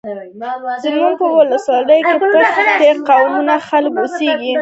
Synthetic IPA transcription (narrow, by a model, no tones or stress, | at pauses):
zəmuɡ̚pəwʊləswɑləjokepəxt̪eqawnunaxalkuseɡi